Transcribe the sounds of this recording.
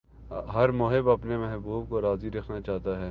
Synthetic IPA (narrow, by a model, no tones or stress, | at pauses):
ɦɐɾmoɦɪbɐpnemɐɦbuːbkoɾaːziɾɐkʰnat͡ʃaːt̪aɦɛː